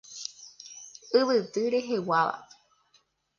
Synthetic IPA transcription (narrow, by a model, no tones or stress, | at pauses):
ɨʋɨt̪ɨɾe̞ɦe̞waʋa̰